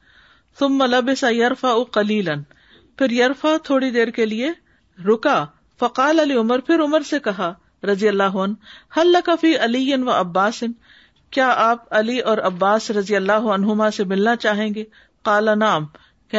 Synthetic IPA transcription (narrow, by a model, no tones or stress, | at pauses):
θʊmːɐlɐbɪsɐjɐɾfɐʔʊqɐliːlɐn | pʰɪɾjɐɾfat̪ʰoːɽid̪eːɾkelie | ɾʊka | fɐqaːlɐliʊməɾpʰɪɾʊməɾsekɐɦa | ɾɐzijɐlːaːɦʊɐnhɐlːɐkafiːʔɐlijɪnʋɐʔɐbːaːsɪn | kjaːʔaːpɐliɔːɾɐbːaːsɾɐzijɐlːaːɦʊɐnɦʊmasemɪlnat͡ʃaːɦẽːɡeː | qaːlanaːm | k